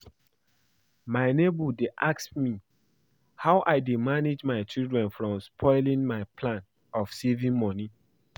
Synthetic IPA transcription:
maɪnebudeʔaksmi | haʊʔaɪdemaned͡ʒmaɪt͡ʃildɹɛ̃nfɹɔ̃mspʰɔɪlĩŋmaɪpʰlãn | ɔfsevĩŋmɔni

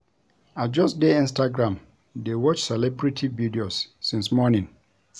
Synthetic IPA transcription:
ad͡ʒɔsdeĩnstʰaɡɾãm | dewɔt͡ʃsɛlɛbɹitʰividiosːɪ̃nsmɔnɪ̃n

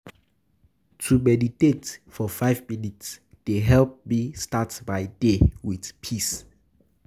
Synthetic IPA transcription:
tʰumɛditetfɔfajvminits | d̥eɦɛlp̚mistatbajdewiθpʰis

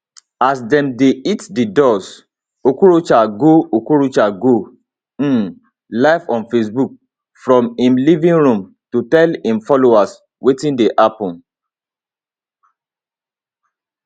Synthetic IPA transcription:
asdɛ̃mdeitdidɔs | okuɾot͡ʃaɡookuɾut͡ʃaɡõ | laɪfɔ̃nfesbuk̚ | fɾɔ̃mĩmlivĩnɾũm | tutɛlĩmfɔloas | wetĩndeʔapɔ̃n

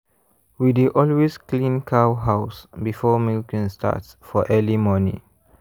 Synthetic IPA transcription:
widiʔɔlwezklĩnkʰawɦaʊsbifɔmilkə̃nsta̰tsfɔʔɛlimɔnḭ̃

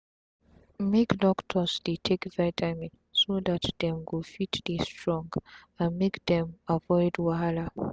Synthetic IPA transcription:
mekdɔktʰɔsdetʰekvaɪtʰamĩn | soðatdɛ̃mɡofitdestɹɔ̃ŋɡ | ãnmekdɛ̃mavɔɪdwala

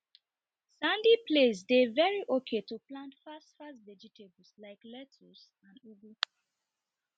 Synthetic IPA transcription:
sãndiples̬devɛɹiʔokʰetuplãntfastfastvɛd͡ʒitʰebl̩slaɪklɛtʰus | ãndubu

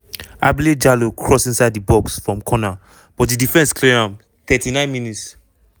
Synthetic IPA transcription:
a̰bled͡ʒalokʰɹɔsĩnsaɪdibɔksfɹɔ̃mkʰɔna | b̥ɔtdidifɛ̃nskʰleãm | θɛtinãɪ̃nminits

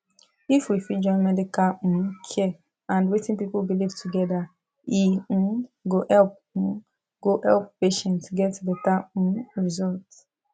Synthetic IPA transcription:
ifwifid͡ʒɔ̃nmɛdikal̩̃kʰɛ | ãndwetĩnpipulbilivtʰuɡɛda | ĩ | ɡoʔɛlp̩̚ | ɡ̥oʔɛlppeʃɛ̃ntɡɛtbɛtãɹizɔlt

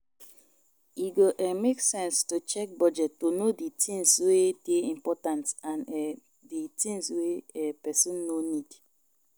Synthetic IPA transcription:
iɡoʔɛmeksɛ̃nstot͡ʃɛk̚bɔd͡ʒɛtːonoditʰĩŋsweteĩmpɔtãntãnɛ | ditĩŋsweɛpɛsĩnːonid

